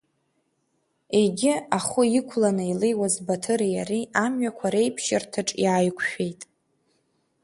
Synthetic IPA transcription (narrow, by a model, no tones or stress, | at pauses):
e̞ɡʲɪaχʊikʷʰlanɨilejwazbatʰɨɾijaɾiamɥakʷʰaɾejpʰʃɪrtʰɨʈ͡ʂʼjaːjkʷʰʃᶣe̞jtʼ